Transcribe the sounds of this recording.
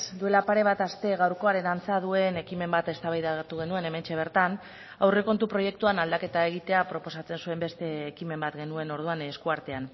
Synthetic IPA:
sd̪ue̞lapaɾe̞β̞at̪ast̪e̞ɣawɾko̞aɾe̞nant͡sað̞ue̞ne̞kime̞mbat̪e̞st̪aβajðat̪uɣe̞nue̞ne̞me̞nt͡ʃe̞β̞e̞ɾt̪an | awreko̞nt̪upɾo̞je̞k̚t̪uanald̪ake̞t̪ae̞ɣ̞it̪e̞apɾo̞po̞sat͡se̞nsue̞mbe̞st̪e̞ːkime̞mbat̪ɡe̞nue̞no̞ɾð̞uaneskuaɾt̪e̞an

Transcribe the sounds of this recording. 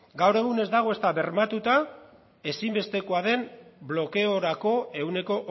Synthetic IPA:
ɡawɾe̞ɣ̞une̞zd̪aɣ̞o̞e̞st̪aβe̞ɾmat̪ut̪a | e̞simbe̞st̪e̞ko̞aðe̞mblo̞ke̞o̞ɾako̞e̞une̞ko̞ʔ

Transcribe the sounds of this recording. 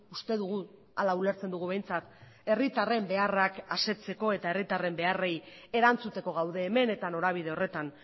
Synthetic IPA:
ust̪e̞ðuɣ̞u | alaule̞ɾt͡se̞nd̪uɣuβe̞jnt͡sat̪ | e̞rit̪are̞mbe̞arakase̞t͡se̞ko̞e̞t̪aerit̪are̞mbe̞are̞je̞ɾant͡sut̪e̞ko̞ɣ̞awðe̞ːme̞ne̞t̪ano̞ɾaβ̞ið̞e̞o̞re̞t̪an

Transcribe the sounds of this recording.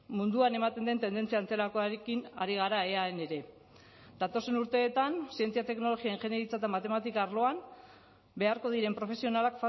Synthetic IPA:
mund̪uane̞mat̪e̞nd̪e̞nt̪e̞nd̪e̞nt͡siant͡se̞lako̞aɾekina̰ɾiɣ̞aɾae̞aene̞ɾe̞ | d̪̥at̪o̞se̞nuɾt̪e̞ːt̪ansie̞nt͡siat̪e̞kno̞lo̞ɣiaeŋʝe̞neɾit͡sat̪amat̪e̞mat̪ikaːɾlo̞an | be̞aɾko̞ð̞iɾe̞mpɾo̞fe̞sio̞nalakfa

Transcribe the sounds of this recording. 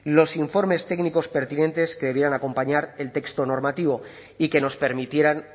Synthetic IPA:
lo̞siɱfo̞ɾme̞st̪e̞ɡniko̞spe̞ɾt̪inẽ̞nt̪e̞ske̞ðeje̞ɾanako̞mpaɲaɾe̞lt̪e̞kst̪o̞no̞ɾmat̪iβo̞ | ike̞no̞spe̞ɾmit̪je̞ɾan

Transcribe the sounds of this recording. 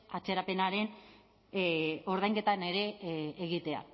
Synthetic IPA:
at͡se̞ɾape̞naɾe̞n | o̞ɾðajŋɡe̞t̪ane̞ɾe̞ːɣit̪e̞a̰

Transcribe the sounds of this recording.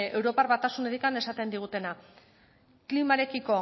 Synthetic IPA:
e̞wɾo̞parβat̪asune̞ɾikane̞sat̪e̞nd̪iɣ̞ut̪e̞na | klimaɾe̞kiko̞

